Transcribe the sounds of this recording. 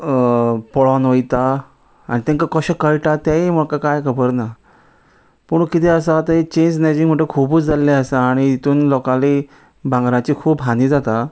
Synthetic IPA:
pɔɭɔnʋəjt̪aː | ɽ̃it̪ẽŋkakəɕãkəɭʈat̪jaimɔkakajkʰəbəɾna | pəɳ̃kit̪ʰɛəs̬at̪əɦet͡ɕẽnsned͡ʑĩŋm̤əʈekʰubuːt͡sd͡zalːɛəsaːɽ̃iit̪uːnlɔkali | bãŋɡɾãt͡ɕiːkʰuːpɦãnid͡zat̪a

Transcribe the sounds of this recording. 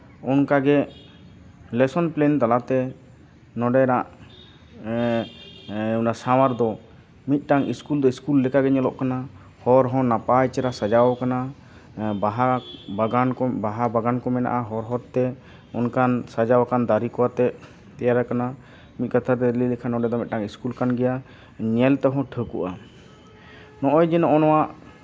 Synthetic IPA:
ɔnkaɡɛ | lɛsɔnplɛnt̪alat̪ɛ | nɔɖɛɾaʔ | unasawaɾd̪ɔ | mit̪̚ˀʈaŋiskuld̪ɔiskulːɛkaɡɛɲɔlɔʔkana | hɔɾɦɔ̃napajt͡ʃɛɾasad͡ʒawkana | baɦabɡankɔbaɦabaɡankɔmɛna̰ʔaɦɔɾɦɔɾt̪ɛ | ɔnkansad͡ʒawakand̪aɾikɔwat̪ɛ | t̪ɛjaɾakana | mit̪̚ˀkat̪ʰaɾɛɾɛlilɛkʰanɔɖɛd̪ɔmɛt̪̚ʈaŋiskulkanɡɛja | ɲɛlt̪ɔɦɔ̃ʈʰəkuʔa | nɔʔɔjd͡ʒɛnɔʔɔnɔwaʔ

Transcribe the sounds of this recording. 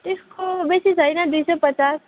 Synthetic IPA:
ʈ̪iskobesisajnad̪ujsɔpət͡ʃas

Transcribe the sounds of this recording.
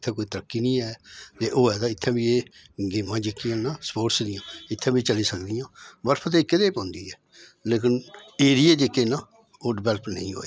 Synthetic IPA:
ɪt̪ʰːɛ̃ːkoːiːt̪əɾəkːiːnĩːɛːt̪eːʔoːɛːd̪aːɪt̪ʰːɛ̃ːbiːeː | ɡɪːmãːd͡ʒekːɪjãːnãːsə̥poːʈsd̪ɪjãːɪt̪ʰːɛ̃ːbiːt͡ʃəliːsəkd̪ɪjãːbəɾpʰt̪eːkːɪd̪eːpõːnd̪iːɛː | leːk̬ɪneːɾijaːd͡ʒekːeːnãː | oɖɪbɛlpʰnə̰ĩːɦo̰ːeː

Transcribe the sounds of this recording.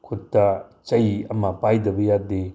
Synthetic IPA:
kʰutːɐt͡ʃɐjiɐmɐpajdɐbɐjade

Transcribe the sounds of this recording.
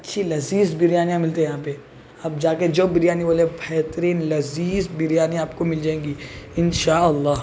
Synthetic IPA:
ɐtːʃʰilɐziːzbɪɾjaːnijãmɪlt̪eɦɛjɦãːpe | apd͡ʒaːked͡ʒoːbɪɾjaːniboːlẽbʱɛɦt̪ɾiːnlɐziːzbɪɾijaːnijaːpkomɪld͡ʒaːẽːŋɡiːɪnʃaːɐlːaːɦ

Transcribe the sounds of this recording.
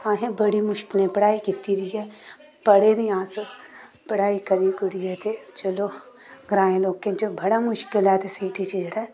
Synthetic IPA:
ãːɦẽbɐɽimʊʃkɪlẽpɐɽaːikɪt̪ːiɾiɛ | pɐɽeniãːs | pɐɽaːikɐɾikʊɽiɛt̪et͡ʃɐlo | ɡɾãːẽloːkẽd͡ʒobɐɽamʊʃkɪlaːt̪esiːʈʰit͡ʃiɽa

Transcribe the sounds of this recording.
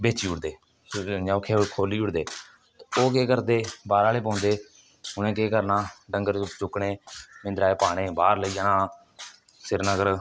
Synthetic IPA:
beːt͡ʃiːʊʈd̪eː | ãːʊkʰːeːokʰoːliːʊɽd̪eː | t̪ːoːk̬eːkəɾd̪eːbaːɾaːleːp̬ãːnd̪eː | ʊnẽːkeːkəɾnãːɖəŋɡəɾt͡ʃʊkɳeːmɪ̃nd̪ɾaːeːpaːɽ̃eːbaːɾləiːaːnãː | sɪɾnəɡəɾ

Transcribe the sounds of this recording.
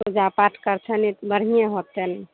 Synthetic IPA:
ud͡ʒapaʈʰkəɾt͡ʃʰənibəɽ̤ijẽɦot̪ːəni

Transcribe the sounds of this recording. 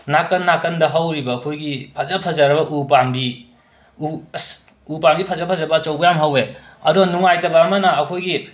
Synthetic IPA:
nakɐnːakɐndɐɦawɾibɐːkʰojɡipʰɐzɐpʰɐzɐɾɐbɐʔupambi | us | upamɡipʰɐzɐpʰɐzɐbɐːt͡ʃɐwbɐjamɦawe | ɐduɡnuŋajtɐbɐːmɐnɐːkʰojɡi

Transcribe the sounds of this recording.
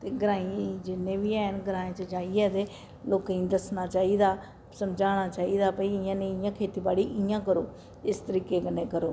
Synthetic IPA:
t̪eːɡəɾãːĩd͡ʒɪnːẽːʋiːɛːnɡəɾaːẽːt͡ʃəd͡ʒaːiɛːd̪eː | loːkĩnd̪əsnaːt͡ʃaːiːd̪aː | səmd͡ʒaːñaːt͡ʃaːiːd̪aːpəiɪjãːneːɪjãːkʰeːt̪iːbaːɽiːʔɪjãːkəɾoː | ɪst̪əɾiːkeːɡənːẽːkəɾoː

